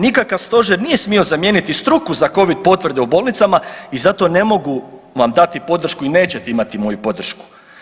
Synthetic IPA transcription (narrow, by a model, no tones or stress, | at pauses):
nikakaʋst̪o̞ʒeɾnije̞smio̞zamje̞ːnit̪ist̪ɾukuzako̞ʋid̪̚po̞t̪ʋɾ̩d̪e̞ubo̞lˠnit̪samaizat̪o̞ne̞mo̞ɡuʋamd̪at̪ipo̞d̪ɾr̩ʃkuine̞ːt͡ɕe̞t̪eimat̪imo̞jupo̞d̪r̩ʃku̥